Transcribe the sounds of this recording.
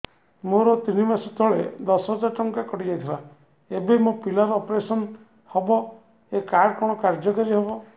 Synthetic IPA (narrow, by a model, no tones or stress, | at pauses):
moɾɔt̪inibasɔt̪ɔɭed̪ɔsɦɔd͡ʒaɾʈɔŋkakɔʈid͡ʒajt̪ʰila | ebemopilɔɾɔpɾesɔn | hɔbɔ | ekaɾɖkɔɽ̃ɔkaɾd͡ʒɔkaɾiɦɔbɔ